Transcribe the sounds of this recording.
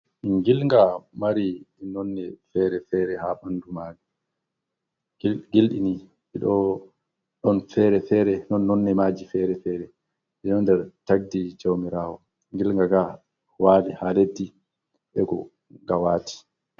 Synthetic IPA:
ʔiŋɡilŋɡamaɾiɛnɔnːɛfɛɾɛfɛːɾɛhaɓandumaːd͡ʒi | ɡilɗini | ɛɗɔ | ɗɔnfɛɾɛfɛːɾɛnɔnːɔnːɛmaːd͡ʒifɛɾɛfɛːɾɛ | ʔɛnɔndɛɾtaɡ̚did͡ʒawmiɾaːwɔ | ŋɡilŋɡaɡa | waːlihaledːi | ɓɛɡɔ̰ | ɡawaːtʰi̥

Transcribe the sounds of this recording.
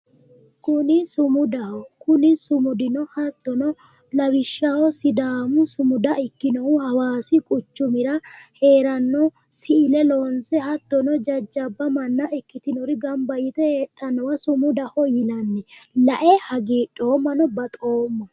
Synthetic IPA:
kʊnɪsʊmʊd̪ɐhɔkʊnɪsʊmʊd̪ɪnɔhɐt̪ːɔnɔ | lɐwɪʃːɐwɔsɪd̪aːmʊsʊmʊd̪ɐʔɪkːɪnɔwʊhɐwaːsɪkʼʊt͡ʃːʊmɪɾɐhe̞ːɾɐnːɔ | sɪɪlɛloːnsɛhɐt̪ːɔnɔd͡ʒɐd͡ʒːɐbːɐmɐnːɐʔɪkːɪt̪ɪnɔɾɪɡɐmbɐjɪt̪ɛheːᶑːɐnɔwɐsʊmʊd̪ɐhɔjɪnɐnːɛlɐʔɛhɐɡeːᶑʼo̞ːmːɐnɔbɐt̪ʼo̞ːmːɐ

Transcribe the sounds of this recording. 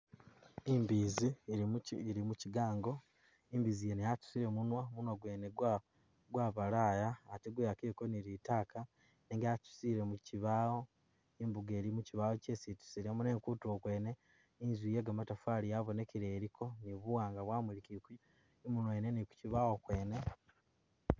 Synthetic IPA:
imbizi | iɾimuciɡaːŋɡo̞ | imbizijenejatu̥siɾe̞munwamunwaɡweːneɡ | ɡwaβalajaːteɡwejakekoniɾitaːka | neŋɡjatu̥siɾe̞muciβaːo̞ | imbuɡeːɾimuciβawocesitu̥siɾemunekutuokwe̞ːne̞ | inzwijeɡamatafaːlijaβo̞ne̞keɾeːɾikʰo̞niβuwaːŋɡaβwaːmulikiku | imunweneniku̥ciβawo̞kwe̞ːne̞

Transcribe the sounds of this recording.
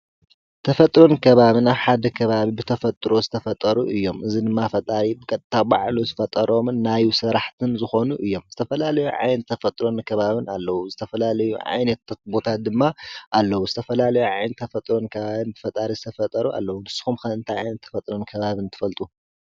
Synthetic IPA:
t̪ʰɐfɐt̪ʼɾo̞nkʰɐβaβɨnaβħad̪ɐkʰɐβaβibɨt̪ʰɐfɐt̪ʼɾo̞zɨt̪ʰɐfɐt̪ʼɐɾuʔɨjːo̞mʔɨzid̪ɨmːafɐt̪ʼaɾibɨkʼɐt̪ʼt̪ʰːaba̰ʕluzɨfɐt̪ʼɐɾo̞mɨnːajusɨɾaħt̪ʰɨnzɨxo̞nuʔɨjːo̞mzɨt̪ʰɐfɐlalɐjuʕa̰jnɐt̪ʰːɐfɐt̪ʼɾo̞nkʰɐβaβɨna̰lːɐwuzɨt̪ʰɐfɐlalɐjuʕa̰jnɐt̪bo̞t̪ʰat̪̚d̪ɨmːaʔalːɐwuzɨt̪ʰɐfɐlalɐjuʕajnɐt̪ʰːɐfɐt̪ʼɾo̞nkʰɐβaβɨnbɨfɐt̪ʼaɾizɨt̪ʰɐfɐt̪ʼɐɾua̰lːɐwunɨsːɨ̥xumkɐɨnt̪ʰaja̰jnɐt̪ʰːɐfɐt̪ʼɾo̞nkʰɐβaβɨnt̪ʰɨ̥fɐlt̪ʼu

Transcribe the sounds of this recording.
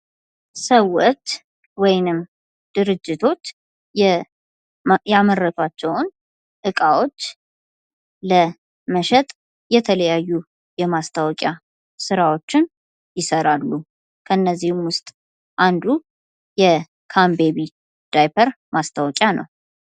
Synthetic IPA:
səwːot͡ʃː | wɔjnɨm | d̪̥ɨɾɨd͡ʒːɪt̪ʰo̞t͡ʃː | jaməɾːət̪ʰat͡ʃːɛwn | ʔɨkʼawo̞t͡ʃː | lə | məʃɛt̪ʼ | jɛt̪ʰələjajːu | jɛmast̪ʰawɔkʼja | sɨɾawo̞t͡ʃːɪn | jɪsəɾalːu | kʰəɨnːəzːihmwʊst̪ʼ | ʔand̪u | jɛ | kʰambeβi | d̪̥ajpʰəɾ | mast̪ʰawɔkʼjanə̰w

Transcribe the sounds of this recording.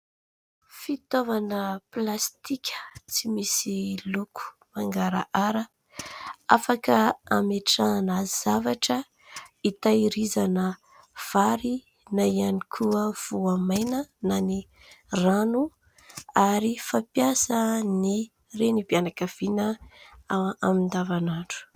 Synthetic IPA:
fit̪ovanəplast̪ikʲə̥t͡simisilukʰu̥maŋɡaɾa̰ʔaɾə | afakəameʈ͡ʂanaz̥avaʈ͡ʂə | it̪aiɾizanə | v̥aɾi | naianikʰuəv̥uamajnənani | ranu | aɾifapjasəni | renibianakav̥inə | amind̪avanaɳɖ͡ʐu̥

